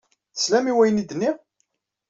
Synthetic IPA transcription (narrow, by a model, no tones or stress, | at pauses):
θəslæmiwæjənid̪ənːi